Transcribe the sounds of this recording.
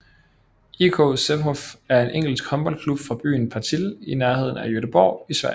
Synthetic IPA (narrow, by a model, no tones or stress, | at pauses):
ikʰɔ̰sebɦɒfæɐe̝nʔeŋ̰ɡ̥l̩sɡ̥hɒ̽nb̥ɒ̽l̰kʰlub̥fʁɑ̈b̥y̰ːnpʰɑ̈t͡sʰilinæɐhe̝ð̞̰ˠn̩æjøɾəb̥ɒ̰ʊ̰isʋæɐ̰